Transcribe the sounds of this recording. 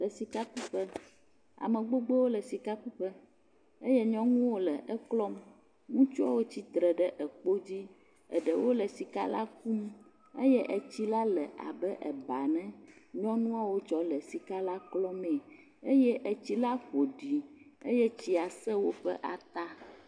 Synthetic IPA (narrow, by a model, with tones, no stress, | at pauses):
lɛ˨si˨ka˦ku˦ɸɛ˦ | a̰˨mɛ̃˨ɡ͡bo˦ɡ͡bɛ˦wo˦lɛ˨si˨ka˦ku˦ɸɛ˦ | ə˦jɛ˦ɲɔ̃˦ŋũ˦wo˦lɛ˨ʔə˦klɔ˦m | ŋũ˦t͡ʃu˦a̰˦wo˦t͡ɕi˦t̪ɾɛ˨ɖɛ˦ʔɛ˨k͡po˦d͡ʑi˦ | ə̰˨ɖɛ˨wo˦lɛ˨si˨ka̰˦la̰˦k̚u˦m | ḛ˦jɛ˦ʔə˨t͡ɕi˦la˦lɛ˨ʔa̰˨bɛ˦ʔɛ̰˨ba˨nɛ̃˦ɲɔ̃˦nũ˦a˦wo˦t͡ʃɔ˨lɛ˨si˨ka˦la˦klɔ˦me˨ | e˦jɛ˦ʔə˨t͡ɕi˦la˦ɸo˨ɖi˨ḛ˦jɛ˦t͡ɕi˨a˨sɛ˦wo˦ɸɛ̰˦ʔa˨t̪a˦